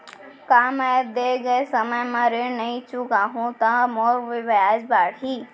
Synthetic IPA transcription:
kaːmaːb̚d̪eɡəesɐməjmãɾenɐĩt͡ʃukaːɦũt̪ãmoːɾʋɪʋaːd͡ʒbaːɽɦiː

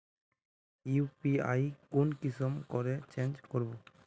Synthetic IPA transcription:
upia̰jkonkisɔmkɔɾet͡ʃend͡ʒkoɾbɔ

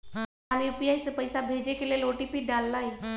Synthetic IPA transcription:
aɾjupijajsepəjsabʱed͡ʑekelieloʈipiɖalːaj

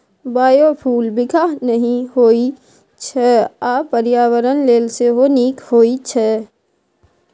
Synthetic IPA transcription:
baːjopʰuːlbɪkʰanəɦĩɦoːi | t͡ʃʰɛaːpəɾjaːwəɾənleːlseɦoniːkhoːit͡ʃʰɛ

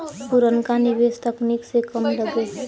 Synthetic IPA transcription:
puɾənkanibest̪əkniksekəmɖəbe

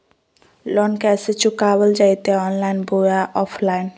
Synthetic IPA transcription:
lɔnkɛset͡ɕukabəld͡ʒajt̪eɔnlajnbojaʔɔpʰlajn

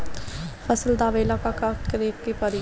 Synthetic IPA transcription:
fəsəld̪aːʋeːlakakakɾeːkːepəɾi

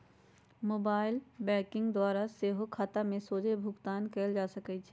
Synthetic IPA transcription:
moːbaːɪlbɛːkɪ̃ŋɡd̪waːɾaseːɦokʰaːt̪amẽsoːd͡ʒebʱʊɡt̪aːnkɛːld͡ʒaːsəkɛt͡ʃʰɛ

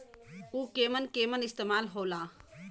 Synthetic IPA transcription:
uːkeːmənkeːmənɪst̪eːmaːlɦoːlaː

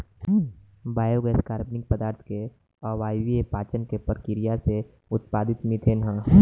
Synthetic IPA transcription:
baːjoɡɛːskaːɾbnɪk̚pəd̪aːɾt̪ʰke | ɔʋaːjʋiepaːt͡ʃənkepəɾkɪɾijase | ʊt̪paːd̪ɪt̪mit̪ʰenɦãː

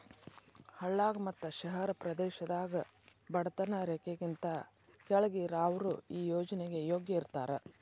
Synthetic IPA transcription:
hɐɭːaːɡɐmɐt̪ːɐʃɐɦɐɾɐpɾɐd̪ɛːʃɐd̪aːɡɐ | bɐɽɐt̪ɐnɐɾekeɡint̪ɐ | kɛɭɐɡiɾaːʋɐɾuiːjoːd͡ʒɐnɛɡe̞joːɡjɐiɾt̪aːɾe

